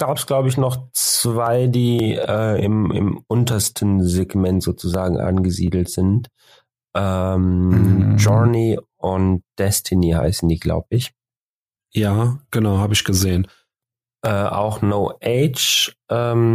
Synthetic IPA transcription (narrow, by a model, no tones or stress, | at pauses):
ɡ̥aːpəsɡ̥laʊbəɪçnɔχt͡sv̥aɪdiːɛːɪ̰mɪ̰mʔʊntɐstʰn̩zeɡmɛntz̥oːt͡suzaːɡŋ̩ʔa̰nɡəziːdl̩tz̥ɪnt | ʔɛm | d͡ʒɔniʔʊntd̥ɛstʰɪniha̰ɪsn̩d̥iːɡla̰ʊbəɪç | jaːɡ̥ənaʊhaːbəɪçɡ̥əzeːən | ʔɛːʔa̰ʊxnoʊʔeɪt͡ʃʔɛːm